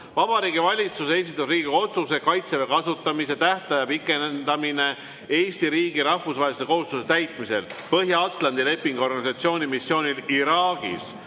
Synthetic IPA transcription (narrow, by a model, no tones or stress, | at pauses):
vɑb̥ɑɾiːɡivɑlʲit̪suse̞s̬it̪ːˑusriːɡio̞t̪suse̞kɑjt̪sevekɑsut̪ːˑɑmiset̪æht̪ɑjɑpikːˑe̞nnd̪̥ɑmine̞ | eːsʲt̪iɾiːɡ̥iɾɑhfusvɑɦelise̞ko̞ɦust̪use̞t̪æjt̪ˑmise̞̰lpɤɦjɑɑt̪ˑlɑnd̪ile̞pːiŋɡ̥uo̞rɡɑnisɑt̪sio̞ːnʲimisːjo̞ːnʲiliɾɑːɡ̥ḭs